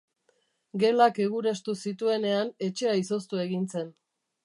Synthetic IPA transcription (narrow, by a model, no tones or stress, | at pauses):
ɡe̞lake̞ɣ̞uɾe̞st̪usit̪ue̞ne̞ane̞t͡ʃe̞aiso̞st̪ue̞ɣint͡se̞n